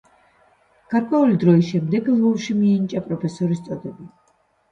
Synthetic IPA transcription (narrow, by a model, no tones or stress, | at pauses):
ɡ̥aɾkʼwɛulid̪ɾɔisʃɛmd̪ɛɡlˠuvʃimiːnt͡ʃʼapʼɾɔpʰɛsɔɾist̪sʼɔd̪ɛbi